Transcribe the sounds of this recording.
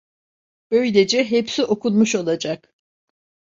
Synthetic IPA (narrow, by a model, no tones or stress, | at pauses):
b̥ø̞jlʲed͡ʒɛɦepsiʔo̞kunmuʃo̞lˠad͡ʒak